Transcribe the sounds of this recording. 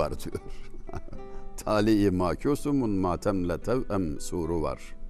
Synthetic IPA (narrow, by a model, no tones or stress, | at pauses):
ɐ̰ɾt̪ʰṵɾ | t̪ʰaːlijemaːkʲʰoːsumunmaːt̪ʰɐmlɐt̪ʰɐwɐmsuːɾuwɐ̰ɾ